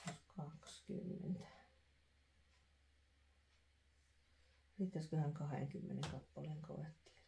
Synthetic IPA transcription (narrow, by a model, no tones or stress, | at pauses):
kʰɑksky̰mːḛnt̪æ̥ | rit̪ːæskøhæŋkɑhḛŋkymːeneŋkɑpːɑleːŋko̰ʋet̪ːi̥